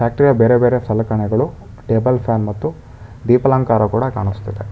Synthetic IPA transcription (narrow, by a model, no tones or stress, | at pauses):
paːk̚ʈɾijɐbeːɾebeːɾesɐlɐkɐɳɛɡɐɭu | ʈeːbɐlpʰjaːnmɐt̪ːu | ɖiːpɐlaːŋkaːɾɐkuːɽɐkaːɳust̪ɐd̪e